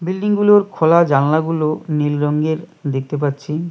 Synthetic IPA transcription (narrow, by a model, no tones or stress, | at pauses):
bilɖiŋɡuloɾkʰolad͡ʑanlaɡulonilɾɔŋɡeɾd̪ek̚ʰt̪ep̬atːɕʰi